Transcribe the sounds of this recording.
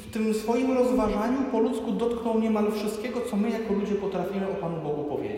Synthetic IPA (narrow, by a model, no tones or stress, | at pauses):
ft̪ɘmsfɔjimɾɔzvaʐaɲupɔlut̪skud̪ɔt̪knɔwɲɛmalfʂɘɨst̪̚kʲɛɡɔt̪sɔmɘjakɔlud͡ʑɛpɔt̪ɾafʲimɘɔpanubɔɡupɔvʲjḛd͡ʑ